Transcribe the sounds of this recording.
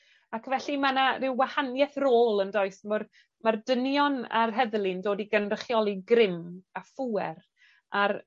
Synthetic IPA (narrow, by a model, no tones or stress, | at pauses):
akʰvɛɬimanarɪwwahanjɛθroːlˠəndɔɨsmɔr | mardənjɔna̰rɦɛðlˠɪndoːdiɡənrəχjɔlˠiɡrɪmafuːɛɾ | ar